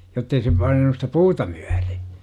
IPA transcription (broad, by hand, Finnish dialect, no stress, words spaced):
jotːei se pɑinɑnu stæ puːtɑ mẙæ̥r̥i̥